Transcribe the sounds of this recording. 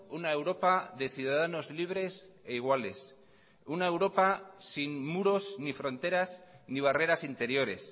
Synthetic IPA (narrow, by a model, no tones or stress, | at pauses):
unaewɾo̞paðe̞θjuðaðano̞zliβ̞ɾe̞s | eiɣwale̞s | unae̞wɾo̞pasinmuɾo̞snifɾo̞nt̪e̞ɾazniβ̞are̞ɾasint̪e̞ɾjo̞ɾe̞s